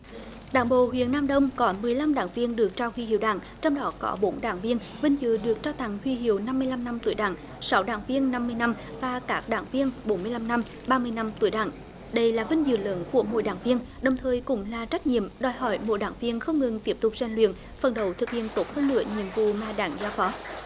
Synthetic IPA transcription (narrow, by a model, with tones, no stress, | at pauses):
ɗa̰ː˧˩ŋɓo̰˧˨ɦwḭ˧˨ənːaː˧mɗə˧wŋ͡mkɔ˨˦mɨ˨˩əjla˧mɗa̰ː˧˩ŋvi˧ənɗɨ˨˩ək̚t͡ɕaː˧whwi˧hḭ˧˨əwɗa̰ː˧˩˦ŋ | t͡ɕɔ˧wŋ͡mɗɔ˨˦kɔ̰˨˦ɓo˨˦nɗa̰ː˧˩ŋvi˧ənvï˧ŋ̟zɨ̰˧˨ɗɨ˨˩ək̚t͡ɕaː˧wt̪ʰa˨˩˦ŋhwi˧ɦḭ˨˧˩əwna˧mːɨ˧əjla˧mna˧mt̪u˧˩əjɗa̰ː˧˩ŋ | sa˨˦wɗa̰ː˧˩ŋvi˧ənːa˧mːɨ˧əjna˧m | vaː˨˩kaː˦˥k̚ɗa̰ː˧˩ŋvi˧ənɓo˨˦nmɨ˧əjla˧mna˧m | ɓaː˧mɨ˧əjna˧mt̪ṵ˧˩əjɗa̰ː˧˩ŋ | ɗə˧jlaː˨˩vï˧ŋ̟zɨ̰˧˨˩lə̰˨˦nku˧˩əmo̰˧˩˨jɗa̰ː˧˩ŋvi˧ən | ɗə˨˩wŋ͡mt̪ʰəː˨˩jkʊ̰˧˥ŋ͡mlaː˨˩t͡ɕa˦˥jk̚ɲḭ˧˨əmɗɔ˨˩jɦɔ̰˧˩jmo̰˧˥jɗa̰ː˧˩ŋvi˧ənxə˧wŋ͡mŋɨ˨˩ŋt̪i˦˥əp̚t̪ʊ˨˩k͡p̚zɛ˧˩nlwḭ˧˨ən | fə˨˩nɗə˨˩wt̪ʰɨ˨˩k̚hḭ˧˨ənt̪o˨˦˥t̚həː˧nːɨ̰˧˥əɲḭ˧˨əmvṵ˧˨maː˨˩ɗaː˧˩ŋzaː˧˦wfɔ˨˦